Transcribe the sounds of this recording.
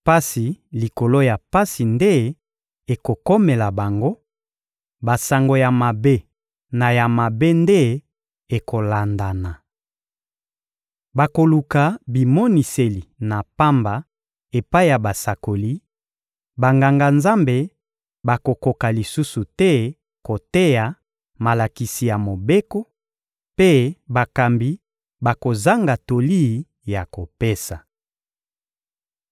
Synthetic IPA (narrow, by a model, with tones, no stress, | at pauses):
pa˦si˨li˨ko˨lo˦ja˨pa˦si˨nde˦ | e˨ko˨ko˦me˨la˨ba˨ŋɡo˦ | ba˨sa˨ŋɡo˨ja˨ma˨be˦ | na˨ja˨ma˨be˦nde˦ | e˨ko˨la˨nda˨na˨ | ba˨ko˨lu˨ka˨bi˨mɔ˦ni˨se˨li˨na˨pa˦mba˨ | e˨pa˦i˦ja˨ba˨sa˨ko˨li˦ | ba˨ŋɡa˨ŋɡa˨nza˦mbe˨ | ba˨ko˨ko˨ka˨li˨su˦su˨tɛ˦ | ko˨te˦ja˨ | ma˨la˨ki˨si˨ja˨mo˨be˦ko˦ | pe˦ba˨ka˨mbi˦ | ba˨ko˨za˦ŋɡa˨to˨li˦˨˦ | ja˨ko˨pe˦sa˨